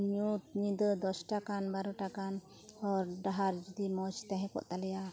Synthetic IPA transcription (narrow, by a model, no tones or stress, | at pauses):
ɲut̪ɲĩd̪əd̪ɔsʈakanbaɾɔʈakan | ɔɾɖaɦaɾd͡ʒud̪imɔt͡ʃt̪ɛɦɛ̃kɔ̰ʔt̪alɛja